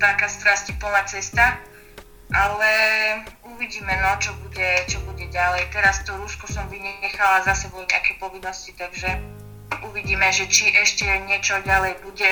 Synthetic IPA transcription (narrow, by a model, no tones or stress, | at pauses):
t̪akast̪ɾascipɔnat͡sɛst̪a | ʔalɛ | uʋiɟiːmɛnɔt͡ʃɔbuɟɛt͡ʃɔbuɟɛɟalɛjt̪ɛɾast̪ɔɾuskɔsɔmʋiɲɛxalazasad̪nɔt̪akɛːpɔʋinːɔscit̪aɡʒɛ | ʔuʋiɟiːmɛʒɛt͡ʃiʔɛʃcɛɲɪɛt͡ʃɔɟalɛjbuɟɛ